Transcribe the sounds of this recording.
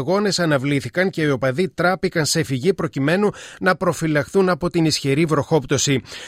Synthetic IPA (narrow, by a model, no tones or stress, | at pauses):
ɣo̞ne̞sɐnɐvliθikɐŋce̞iopɐðit̪ɾɐpikɐnse̞fiʝipɾo̞cime̞nunɐpɾo̞filɐxθunɐpo̞t̪inisçeɾivɾo̞xo̞pt̪o̞si